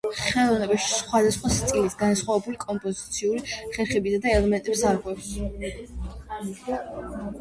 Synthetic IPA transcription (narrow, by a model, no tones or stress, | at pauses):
χɛlˠɔvnɛbaʃi̥sχwad̪asχwast̪sʼilisɡansχwavɛbulikʼɔmpʼɔzit̪sʰiuɾiχɛɾχɛbisad̪aɛlɛmɛnt̪ʼɛpsaɾɡɛvʃ